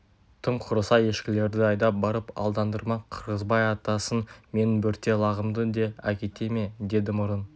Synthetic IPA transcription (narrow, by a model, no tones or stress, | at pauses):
t̪ʰəmqʰʊɾəsɑje̞ʃkʲɪle̞ɾd̪ɪɑjd̪ɑp̚bɑɾəpɑ̰lˠd̪ɑnd̪əɾmɑqʰəɾʁəzbɑjɑt̪ɑsənme̞nɪbʏɾt̪ːe̞lˠɑʁəmd̪əd̪e̞ækʲe̞t̪e̞me̞d̪e̞d̪ɪmʊɾən